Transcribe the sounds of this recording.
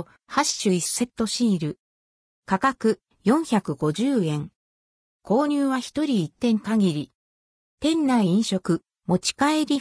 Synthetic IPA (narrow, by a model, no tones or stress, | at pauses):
haɕi̥ɕɨisːe̞t̪ːo̞ɕĩːɾɯ̟ | kakakɯ̟ | jõ̞ɰ̃çakɯ̟ɡo̞ʑɨːẽ̞ŋ | kʰo̞ːɲ̟ʲɨːβaçi̥t̪o̞ɾʲiːt̪ːẽ̞ŋkaɡʲiɾʲi | t̪ẽ̞nːaiĩɰ̃ɕo̞kɯ̟ | mo̞t͡ɕi̥kae̞ɾʲi